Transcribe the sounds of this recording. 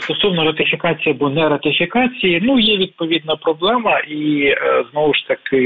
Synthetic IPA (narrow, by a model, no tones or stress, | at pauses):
st̪ɔsɔwnɔɾɐt̪ɪfʲɪkɑt͡sʲijɐbunɛɾɐt̪ɪfʲikɑt͡sʲijinujɛʋʲid̪̚pɔʋʲid̪nɐpɾɔblˠɛmɐʔiznɔʋʊʃt̪ɐkɪ